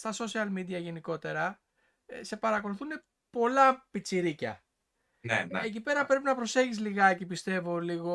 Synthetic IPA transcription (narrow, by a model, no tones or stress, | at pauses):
st̪ɐso̞siɐlmid̪iɐʝe̞niko̞t̪e̞ɾɐ | se̞pɐɾɐko̞luθune̞ | po̞lɐpit͡siɾicɐ̰ | nḛeec̬ipe̞ɾɐpɾe̞pinɐpɾo̞se̞çizliɣɐecipist̪e̞vo̞liɣo̞